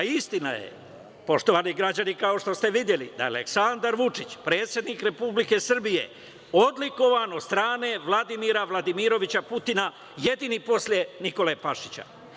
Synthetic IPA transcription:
aist̪ina̰jḛ | po̞ʃt̪o̞ʋaːniɡɾad͡ʑanikao̞ʃt̪o̞st̪e̞ʋid̪je̞lḭd̪a̰jea̰lḛksand̪aɾʋut͡ʂit͡ɕpɾe̞ːt̪sjed̪niːkɾe̞publike̞sr̩bije̞̰ | o̞d̪liko̞ʋanost̪ɾaːne̞ʋlˠad̪imiɾaʋlˠad̪imiɾo̞ʋit͡ɕaput̪ina | je̞d̪inipo̞slje̞niko̞lepaʃit͡ɕa̰

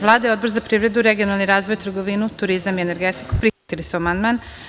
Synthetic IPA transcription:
ʋlˠaːd̪ejod̪bo̞ɾzapɾiːʋɾe̞d̪uɾeɡio̞nalniɾaːzʋojt̪ɾɡoʋinut̪uɾizamiene̞ɾɡet̪i̥ku̥pɾixat̪ilisuamand̪maːn

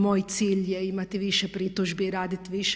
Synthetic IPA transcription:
moːjt̪siːljɛimat̪iʋiːʃjɛpɾit̪uʒbiɾaːd̪it̪ʋiːʃ

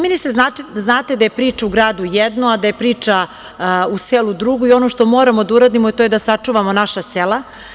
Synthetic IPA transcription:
miniseaznaːt̪ed̪aje̞pɾiːt͡ʂauɡɾaːd̪ujed̪noad̪aje̞pɾiːt͡ʂa | uselud̪ɾuɡuio̞noʃt̪o̞mo̞ːɾamo̞d̪auɾaːd̪imoet̪oːjed̪asat͡ʂuːʋamo̞naʃasela

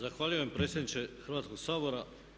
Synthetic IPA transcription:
zaxʋaːʎujoempɾe̞ːt̪sʲed̪nit͡ʃe̞xr̩ʋaːt̪sko̞ɡsaːbo̞ɾa

